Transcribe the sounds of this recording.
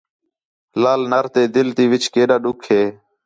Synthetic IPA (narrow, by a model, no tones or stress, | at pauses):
laːlnaːɾt̪eːd̪ɪlt̪iːʋɪt͡ʃkeːɗaːɗʊkʰɦeː